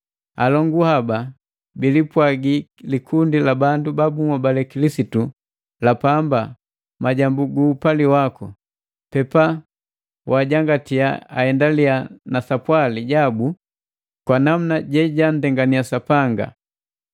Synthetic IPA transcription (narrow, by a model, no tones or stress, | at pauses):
a̰lɔŋɡuhaba | bilipwaɡilikʰundilabandubabumabalɛkilisitu | lapamba | maɟambuɡuːpaliwakɔ̰ | pɛpa | wʔaːɟaŋɡatiaahɛndalianasapwaliɟabu | kwanam̩naɟɛɟan̩dɛŋɡaniasapaŋɡa̰